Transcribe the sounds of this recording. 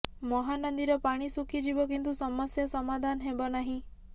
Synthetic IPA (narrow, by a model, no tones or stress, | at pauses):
mɔɦanɔnd̪iɾɔpaɽ̃isukʰid͡ʒibɔkint̪̬usɔmɔsjɔsɔmad̪ʱanɦebɔnaɦĩ